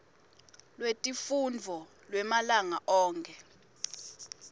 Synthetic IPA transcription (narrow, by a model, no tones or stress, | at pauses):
lwetʼifund͡vʱɔ | lwɛmalaŋaʔɔːŋkʰʼɛ